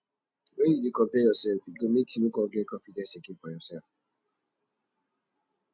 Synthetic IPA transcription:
wɛ̃njudekɔ̃mpɛjɔsɛlfjiɡomekĩjukɔ̃ɡɛkɔ̃fidɛ̃nsẽkĩfɔjɔsɛlf

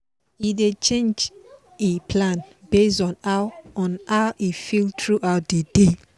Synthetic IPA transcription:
idet͡ʃẽnd͡ʒ | epʰlãnbes̬ɔ̃naɔ̃naʊʔifiltʰɹuʔaʊt̚dede

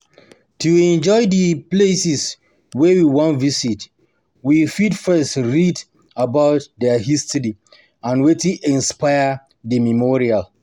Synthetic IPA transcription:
tuɛ̃nd͡ʒɔɪdəplesis | wɛwiwɔ̃nvisit | wifidfɛstɹid | abaʊt̚dɛɦistʰɔɾi | ãnwetiʔɛ̃nspajə | ðəmimɔɹial

